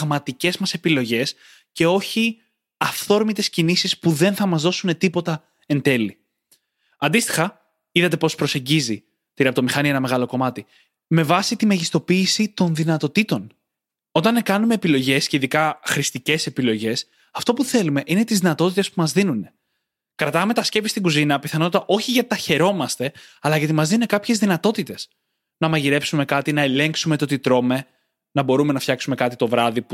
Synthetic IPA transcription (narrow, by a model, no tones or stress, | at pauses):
ɣmɐt̪ice̞zmɐse̞pilo̞ʝe̞s | ce̞o̞çi | ɐfθo̞ɾmit̪e̞scinisispuðe̞nθɐmɐzðo̞sune̞t̪ipo̞t̪ɐ | e̞nd̪e̞li | ɐnd̪ist̪i̥xɐ | iðɐt̪e̞po̞spɾo̞se̞ɲɟizi | t̪iɾɐpt̪o̞mixɐnienɐme̞ɣɐloko̞mɐt̪i | me̞vɐsit̪imɐʝist̪o̞piːsit̪o̞nðinɐt̪o̞t̪it̪o̞n | o̞t̪ɐnekɐnume̞ːpilo̞ʝe̞sce̞iðikɐxɾist̪ice̞se̞pilo̞ʝe̞s | ɐft̪o̞puθe̞lume̞ʔine̞t̪izðinɐt̪o̞t̪it̪espumɐzðinune̞ | kɾɐt̪ɐme̞t̪ɐsce̞pist̪iɡuzinɐpiθɐno̞t̪ɐt̪ɐʔo̞çiʝɐt̪t̪ɐçe̞ɾo̞mɐst̪e̞ɐlɐʝɐt̪imɐzðinunekɐpçe̞zðinɐt̪o̞t̪it̪e̞s | nɐmɐʝiɾe̞psume̞kɐt̪inɐe̞le̞ŋksume̞t̪ot̪it̪ɾo̞me̞ | nɐbo̞ɾume̞nɐfçɐksume̞kɐt̪it̪o̞vɾɐðipu